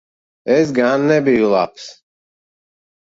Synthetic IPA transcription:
ɛzɡaːnːɛbiulˠa̰ps

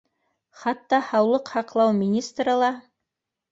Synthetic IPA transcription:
χɑt̪ːɑhɑwlˠɤqhɑqlˠɑwmʲinʲist̪rɤlˠɑ

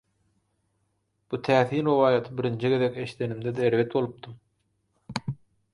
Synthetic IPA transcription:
b̥ut̪ʰæːθiːnɾowɑːjɑt̪ʰɯbiɾind͡ʒʰiɡe̞ðekʲe̞ʃi̥t̪ʰe̞nimd̪ed̪eːɾve̞t̪̚bo̞lˠɯp̚t̪ɯm

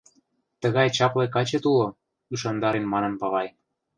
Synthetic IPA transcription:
t̪ə̆ɣɑjt͡ɕɑplekɑt͡ɕet̪ulo | yʃɑnd̪ɑɾenmɑnɤ̆npɑɣɑj

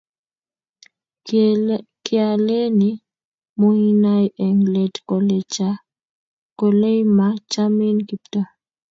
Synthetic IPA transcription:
kialeni | mujinajʔɛŋlɛtkɔlɛt͡ʃa | kɔlɛjmat͡ʃaminkiptɔ

